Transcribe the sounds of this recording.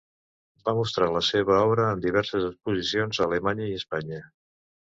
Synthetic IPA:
bamust̪ɾaləseβəɔβɾəːmd̪iβɛɾsəzəkspuzisionzələmaɲəiəspaɲə

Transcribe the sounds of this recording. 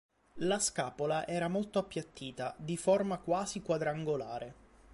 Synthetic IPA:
laskaːpolaʔɛːɾamolt̪oapːjat̪ːiːt̪ad̪iformakwaːzikwad̪ɾaŋɡolaːɾe

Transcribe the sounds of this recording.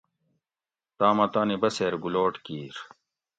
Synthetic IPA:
t̪aːmɐt̪aːnibɐseːɾɡuloːʈkiːɾ

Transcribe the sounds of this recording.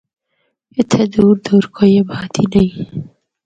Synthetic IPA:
ɪt̪ʰed̪uɾd̪uɾkʰojebɑːt̪ʰinai

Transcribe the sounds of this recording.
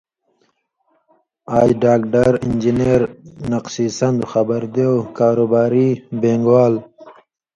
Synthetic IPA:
aːjɖaːkɖəɾind͡ʒineːɾnaqsiːsɐnd̪xabəɾd̪ekaːɾoːbaːɾibeːŋɡwaːl

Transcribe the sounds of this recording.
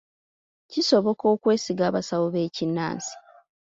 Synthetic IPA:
ciso̞βo̞ko̞ːkwe̞ːsiɡaːβasawoβe̞ːcinːa̰ːnsi̥

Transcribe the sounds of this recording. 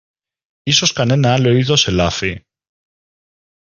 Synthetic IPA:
isoskanenaloiðoselafe

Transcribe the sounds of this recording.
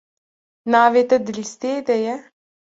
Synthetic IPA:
naːʋet̪əd̪list̪eːd̪ɛjɛ

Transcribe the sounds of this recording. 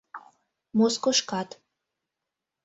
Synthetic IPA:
moskoʃkɑt̪

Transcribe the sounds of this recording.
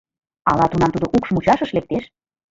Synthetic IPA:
ɑlɑt̪unɑmt̪ud̪oʔukʃmut͡ɕɑʃəʃlek̚t̪eʃ

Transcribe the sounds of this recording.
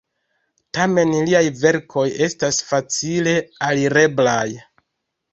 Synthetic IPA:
tame̞nliajve̞ɾkʰo̞je̞stasfat͡sile̞aliɾe̞blaj

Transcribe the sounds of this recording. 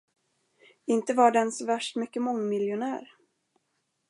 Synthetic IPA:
ɪnt̪əvɑɖɛnsvæʂʈmʏkːəmɔŋːmɪljʊnæ̰ːɾ

